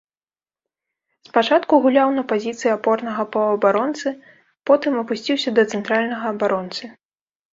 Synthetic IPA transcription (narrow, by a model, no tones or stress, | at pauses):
spat͡ʂat̪kuɣulʲawnɐpazʲit̪sɨjiapɔrnɐɣɐpɐɐbaɾɔnt̪sɨ | pɔt̪ɨmɐpusʲt͡sʲiwsʲɐd̪ɐt̪sɨnt̪ɾalʲnɐɣɐːbaɾɔnt̪sɨ